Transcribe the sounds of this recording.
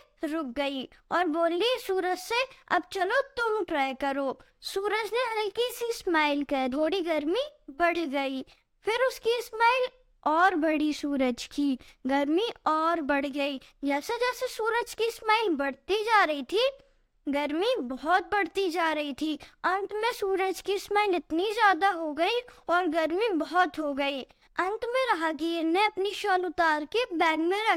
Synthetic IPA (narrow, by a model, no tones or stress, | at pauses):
ɾʊk̚ɡɐiɔːɾboːlːisuːɾəd͡ʒseɐ̰bt͡ʃɐlot̪ʊmpɾaːkɐɾoː | suːɾəd͡ʒneɦɐlkisismaːɪlkɐd̪oːɽiɡɐɾmibɐɽ̤ɡɐi | fɪɾʊskismaːɪl | ɔːɾbɐɽisuːɾəd͡ʒkiːɡɐɾmiɔːɾbɐɽ̤ɡɐid͡ʒɛːsed͡ʒɛːsesuːɾəd͡ʒkismaːɪlbɐɽ̤t̪id͡ʒaːɾɐɦit̪ʰi | ɡɐɾmibɔɦɔt̪̚bɐɽ̤t̪id͡ʒaːɾɐɦit̪ʰiːɐ̃nt̪mẽsuːɾəd͡ʒkismaːɪlɪt̪nizjaːd̪aɦoɡɐiɔːɾɡɐɾmibɔɦɔt̪ɦoɡɐiː | ɐ̃nt̪mẽɾɐɦaɡeɾneɐpniʃɔːlʊt̪aːɾkebɛ̃ːɡmẽɾɐ